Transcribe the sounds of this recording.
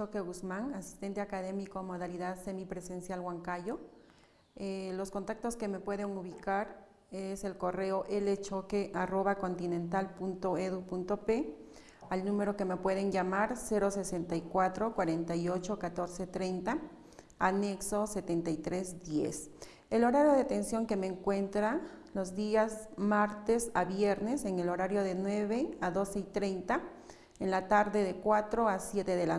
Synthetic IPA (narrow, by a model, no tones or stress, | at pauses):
t͡ʃokeɣusmaŋasi̥st̪e̞nt̪eakaðemikomoð̞aliðaðsemipɾesensjalɣwaŋkajo | loskont̪ak̚t̪oskemepwe̞ðeŋuβikaɾ | eselkoreoʔelet͡ʃokeʔaro̞βako̞nt̪inẽnt̪alpunt̪oeðupunt̪ope | alnũmeɾokemepwe̞ð̞enʝamaɾse̞ɾo̞sese̞nt̪ajkwat̪ɾokwaɾe̞nt̪ajo̞t͡ʃo̞kat̪oɾse̞t̪ɾejnt̪a | aneksose̞t̪e̞nt̪ajt̪ɾe̞zd̪jḛs | elo̞ɾaɾjo̞ðet̪e̞nsjo̞ŋke̞meːŋkwe̞nt̪ɾanlozd̪iasmaɾt̪esaβjeɾne̞seŋe̞lo̞ɾaɾjo̞ðe̞nweβeaðo̞se̞it̪ɾejnt̪a | enlat̪aɾðe̞ðe̞kwat̪ɾoasje̞t̪eðela